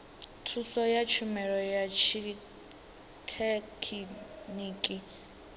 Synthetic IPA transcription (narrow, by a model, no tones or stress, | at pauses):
tʰusɔjat͡ʃʰumɛɺɔjat͡ʃʰi | tʰɛkʰiniːkʼi